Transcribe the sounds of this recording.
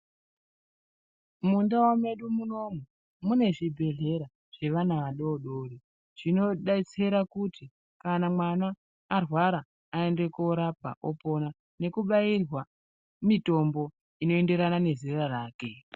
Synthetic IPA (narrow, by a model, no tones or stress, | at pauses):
mundawame̞ɗumuno̞mu | mune̞ʐibʱe̞ɮe̞ɾa | ʐ̥e̞ʋanaʋaɗoːɗoːri | ʐ̥ino̞ɗait͡se̞ɾakuti | kanamwanaː | rwaɾaː | e̞nde̞koɾap̚a̰ʔo̰po̞na | ne̞kuɓairwa | mito̞mbo̞ | ino̞e̞nde̞ɾanane̞ziraraːke̞